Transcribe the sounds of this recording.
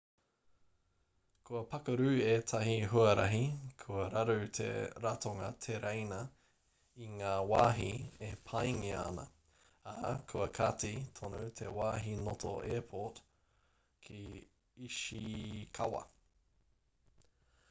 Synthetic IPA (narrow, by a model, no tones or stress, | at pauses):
kʰuɐpɐkɐɾʉːeːtʰɐɦiɦuɐɾɐ̰ɦikʰuɐɾɐɾʉt̪ʰḛɾatʰoŋɐ̰t̪ʰeɾʔejnɐ | iŋaːwaːɦḭepʰajŋia̰nɐ̰ | akʰuɐkʰatit̪ʰonut̪ʰewaːɦinotʰo̰ʔepʰot | kʰi | iʃikʰɐ̰wɐ̰